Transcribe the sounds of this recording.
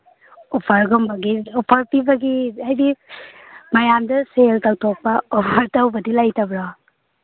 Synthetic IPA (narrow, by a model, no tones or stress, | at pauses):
ɔpʰɐɾɡɔmbɐɡiɔpʰɐɾpibɐɡiajdi | majamdɐseltawtʰɔk̚pɐɔpʰaɾtawbɐdilajtabɾa